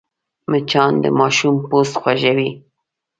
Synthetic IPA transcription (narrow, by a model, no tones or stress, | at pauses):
mət͡ʃɑnd̪ə̰mɑʃumpost̪xwaʒawi